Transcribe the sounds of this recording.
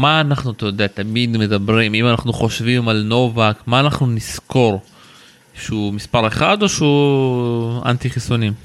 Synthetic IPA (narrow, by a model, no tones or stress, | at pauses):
maːnaχnuat̪ajod̪e̞at̪amid̪me̞d̪abʁimimanaχnuχo̞ʃvimalno̞vakmaːnaχnunisko̞ʁ | ʃeumispaʁeχad̪o̞ʃeu | a̰nt̪iχisonim